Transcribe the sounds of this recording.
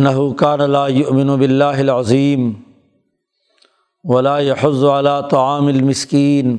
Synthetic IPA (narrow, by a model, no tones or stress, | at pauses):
nːɐɦʊkaːnalaːjʊʔmɪnʊbɪlːaːɦɪlʕɑzˤiːm | wɐlaːjaħʊzːʊʕalaːt̪ˤɑʕaːmɪlmɪskiːn